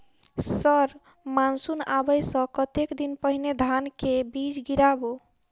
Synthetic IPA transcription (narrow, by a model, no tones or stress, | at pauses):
səɾ | mansunabəjsə̃kət̪ekd̪inpəɦined̪ʱankebid͡ʒɡiɾabo